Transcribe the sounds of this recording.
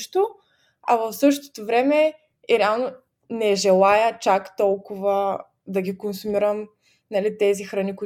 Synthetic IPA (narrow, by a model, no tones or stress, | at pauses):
ʃt̪o | ɐvəfsɤʃt̪o̥t̪ovɾɛmɛ | ɾɛalˠno | nɛʒɛlˠajət͡ʃakt̪ɔlˠkʊvə | d̪ɐɡikonsumiɾəm | nɐlit̪ɛzixɾɐnikui